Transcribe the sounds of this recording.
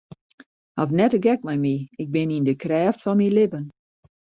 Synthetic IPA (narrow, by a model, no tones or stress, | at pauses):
hafnɛtəɡɛk̚mɛjmiɪk̚bɪnindəkrɛːftfɔnmilɪbən